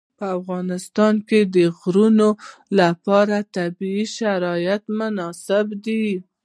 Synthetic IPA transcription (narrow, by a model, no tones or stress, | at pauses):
pəafɣɑnɪst̪ɑnked̪əɣɾunolapɑɾat̪abiiʃaɾɑjat̪mʊnɑsɪbd̪i